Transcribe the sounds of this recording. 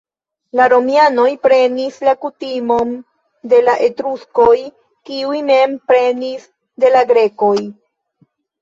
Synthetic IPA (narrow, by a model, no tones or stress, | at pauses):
laɾo̞miano̞jpɾe̞nislakutimo̞n | de̞laʔe̞tɾuskoj | kiujne̞mpɾe̞nis | de̞laɡɾe̞ko̞j